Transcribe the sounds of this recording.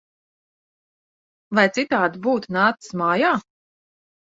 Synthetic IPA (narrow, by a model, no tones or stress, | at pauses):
vajt̪sit̪aːd̪ibuːt̪naːt̪ɨ̥smaːjaː